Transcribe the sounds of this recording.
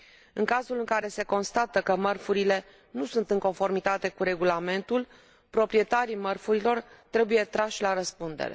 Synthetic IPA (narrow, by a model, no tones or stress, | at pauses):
ɨŋkazulɨŋkaɾe̞se̞ko̞nst̪at̪əkəmərfuɾile̞ | nusunt̪ɨŋko̞nfo̞rmit̪at̪e̞kuɾe̞ɡulame̞nt̪ul | pɾo̞pɾije̞t̪aɾimərfuɾilo̞rt̪ɾe̞buje̞t̪ɾaʃʲlaɾəspund̪ḛɾe̞̰